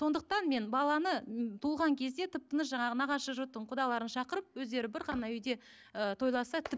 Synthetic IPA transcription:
so̞nd̪əq̚t̪ɑnme̞nbɑlˠɑnət̪ʰulˠʁɑŋkʲʰe̞z̪d̪e̞t̪ʰɪp̚t̪ənəsʒɑɴɑʁənɑʁɑʃəʒot̪ːəɴqʰʊd̪ɑlˠɑɾənʃɑqəɾəp̚wɵzd̪e̞ɾɪbɪɾʁɑnɑʏjd̪e̞ | ət̪ʰo̞jlˠɑsɑt̪ʰɪp

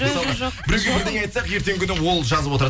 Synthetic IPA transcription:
esɑlˠbɪɾezɡʲebɪɾd̪eŋɑjt̪sɑqje̞ɾt̪e̞ŋkʲʏnɪwo̞lˠʒɑzəpwo̞t̪əɾ

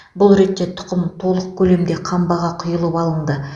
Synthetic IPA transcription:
bʊlˠɾe̞t̪ːe̞t̪ʰʊ̥qəmt̪ʰo̞lˠəq̚kʲʰɵle̞md̪e̞qʰɑmbɑʁɑqʰʊjəlˠəpɑlˠəɴd̪ə

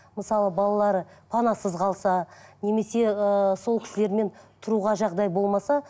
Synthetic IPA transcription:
məsɑlˠəbɑlˠɑlˠɑɾəpʰɑnɑsəzqʰɑlˠsɑne̞me̞se̞əso̞lˠkʲɪ̥sɪle̞ɾme̞nt̪ʰʊɾuʁɑʒɑʁd̪ɑjbo̞lˠmɑsɑ

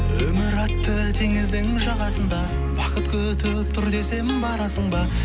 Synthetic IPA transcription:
wɵmɪɾɑt̪ːət̪ʰeŋɪzd̪ɪŋɪʒɑʁɑsənd̪ɑ | bɑqət̪kʲʰɵt̪ʰɪp̚t̪ʰʏɾd̪e̞se̞mɪnbɑɾɑsəɴbɑ

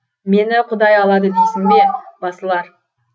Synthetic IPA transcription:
me̞nɪqʰʊd̪ɑjɑlˠɑd̪əd̪esɪmbe̞bɑsəlˠɑɾ

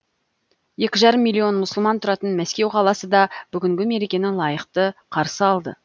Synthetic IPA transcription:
je̞kʲɪʒɑɾəmːilʲːio̞nmʊsəlˠmɑnt̪ʰʊɾɑt̪ənmæskʲe̞wqʰɑlˠɑsəd̪ɑb̥ʏɡʲɪŋɡʲɪme̞ɾekʲe̞nɪlˠɑjəqt̪əqʰɑɾsəɑlˠd̪ə̰

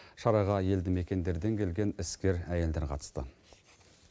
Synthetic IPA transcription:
ʃɑɾɑʁɑje̞ld̪ɪme̞kʲe̞nd̪e̞ɾd̪e̞ŋkʲʰe̞lɡʲe̞nɪskʲe̞ɾæje̞ld̪e̞ɾqʰɑ̰t̪ə̥st̪ə̰

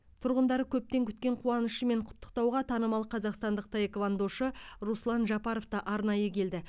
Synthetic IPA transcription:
t̪ʰʊɾʁənd̪ɑɾəkʲʰɵp̚t̪e̞ŋkʲʰʏ̥t̪kʲe̞ɴqʰuwɑnəʃəme̞ɴqʰʊ̥t̪ːə̥q̚t̪ɑwʁɑt̪ʰɑnəmɑlˠəqʰɑzɑqst̪ɑnd̪əq̚t̪ʰɑjekvand̪oʃəɾuslˠɑnʒɑpɑɾo̞ft̪ɑʔɑɾnɑjəkʲʰe̞ld̪ɪ

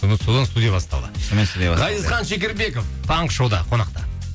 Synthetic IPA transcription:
mət̪sod̪ɑnst̪ud̪ijabɑst̪ɑ̰lˠd̪əsomenst̪ud̪ijaʁɑjd̪əzχɑnʃek̬ʲeɾbe̞koft̪ʰɑɴqʃowd̪ɑqʰo̞nɑqt̪ɑ

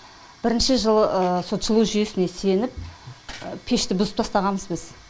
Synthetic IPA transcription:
b̥ɪɾɪnʃɪʒəlˠəso̞t̪ʃəlˠuʒʏjesɪne̞se̞nɪp̚ | pʰe̞ʃt̪ɪbʊzəpt̪ʰɑst̪ɑʁɑməzbɪz̥

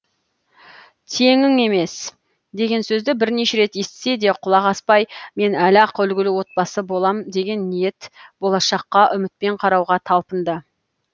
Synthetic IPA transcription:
t̪ʰe̞ŋɪŋe̞me̞s | d̪e̞ɡʲe̞nsɵzd̪ɪbɪɾne̞ʃe̞ɾe̞t̪e̞st̪ɪ̥se̞d̪e̞qʰʊlˠɑʁɑspɑjme̞nælɑqʏlɡʲɪlɪwo̞t̪̚bɑsəbo̞lˠɑmd̪e̞ɡʲe̞nːije̞t̪b̥o̞lˠɑʃɑqːɑʔʏmɪt̪̚pe̞ɴqʰɑɾɑwʁɑt̪ʰɑlˠpənd̪ə

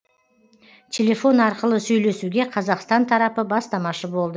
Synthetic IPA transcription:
t̪ʲʰe̞le̞fo̞nɑɾqəlˠəsɵjle̞suɡʲe̞qʰɑzɑqst̪ɑnt̪ʰɑɾɑpəbɑst̪ɑmɑʃəbo̞lˠd̪ə

